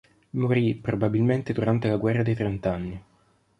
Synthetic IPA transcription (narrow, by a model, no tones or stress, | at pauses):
moɾipɾobabilment̪ed̪uɾant̪elaɡwɛrːad̪ejt̪ɾent̪anːi